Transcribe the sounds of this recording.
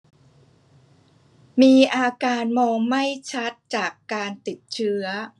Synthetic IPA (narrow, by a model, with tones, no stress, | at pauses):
miː˧ʔaː˧kaː˧nmɔː˧ŋma˥˩jt͡ɕʰa˦˥t̪̚t͡ɕaː˨˩kːaː˧nt̪i˨˩t̪̚t͡ɕʰɯ˦˥ɐ